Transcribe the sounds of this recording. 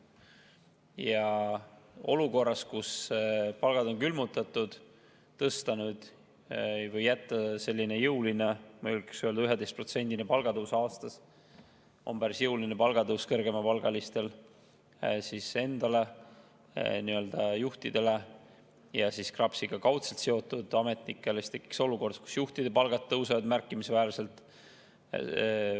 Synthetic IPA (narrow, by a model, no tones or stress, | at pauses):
jɑ | o̞luko̞rːɑskuspɑlɡ̥ɑd̪̥o̞nkylmut̪ˑɑt̪ːˑud̪̥ | t̪ɤst̪ɑnud̪̥ | vɤjːæt̪ːɑse̞lʲːine̞jɤwline̞mɑylkeksyøld̪ɑyɦed̪e̞st̪pro̞t̪se̞nd̪̥inepɑlɡ̥ɑd̪uwsɑːst̪ɑs | o̞̰mbæɾisjɤwlinepɑlɡ̥ɑt̪ɤwskɤrɡ̥e̞mɑpɑlɡ̥ɑlist̪e̞l | sise̞nd̪̥ɑle̞ | niø̞ld̪̥ɑjuht̪id̪̥e̞le̞ | jɑsiskrɑpsiɡ̥ɑkɑwt̪selt̪se̞o̞t̪ːˑud̪̥ɑme̞t̪nikːˑeleist̪e̞kːi̥kso̞luko̞rd̪̥sku̥sjuht̪id̪̥epɑlɡ̥ɑt̪ːɤwsɑvɑd̪mærkːˑimisvæːlse̞lt̪ˑ